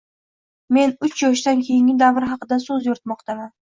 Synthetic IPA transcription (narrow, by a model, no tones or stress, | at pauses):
me̞nʊt͡ʃʰjɒʃ̬d̪ankʲʰe̞jɪŋɪd̪avɾɦɑqɨd̪asɵzjɒɾt̪mɒqt̪ʰaman